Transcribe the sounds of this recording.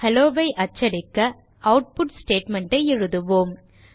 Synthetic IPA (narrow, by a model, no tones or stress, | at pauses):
hɐloːʋɐɪʔɐt͡ʃːɐɾɪkːɐ | ɐʊʈ̚pʊʈsʈeːʈmɐɳʈɐɪɛɻɯðɯʋoːm